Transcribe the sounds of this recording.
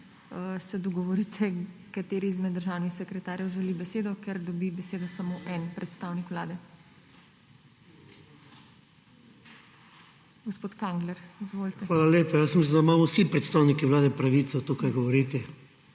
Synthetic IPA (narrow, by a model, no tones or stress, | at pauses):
sɛd̪ɔɡɔʋɔɾit̪ʰɛkat̪eːɾiizmɛd̪d̪əɾʒaːwnixsɛkɾɛt̪aːɾjɛwʒɛlibɛseːd̪ɔkɛɾd̪ɔbibɛseːd̪ɔsamoʔɛnpɾɛt̪st̪aːwnikʋwlaːd̪ɛ | ɡospoːt̪kaŋɡlɛɾizʋolt̪ɛxʋaːlaleːpajasmislʲnd̪aimaːmɔwsipɾɛt̪st̪aːwnikiʋlaːd̪ɛpɾaʋiːt̪sɛt̪okaɾɡɔʋɔɾit̪ɛ